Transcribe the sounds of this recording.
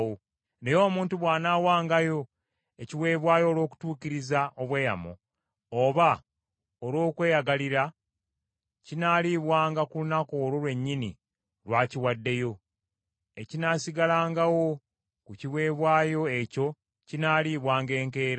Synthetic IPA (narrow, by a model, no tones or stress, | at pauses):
wo | nejo̞ːmuːntuβwaːnaːwaːŋɡajo̞ | eciwe̞ːβwaːjo̞ːlwo̞ːku̥tuːciɾizaʔoβwe̞ːja̰mo̰ | oβa | olwo̞ːkwe̞ːjaɡaliɾa | cinaːliβwaːŋɡakulunako̞ːɾolwe̞ɲːinḭ | lwaːciwadːe̞jo̞ | ecinaːsiɡalaːŋɡawo̞ | kuciβwe̞ːβwaːjo̞e̞co̞ | cinaːliβwaːŋɡe̞ːŋke̞ːɾ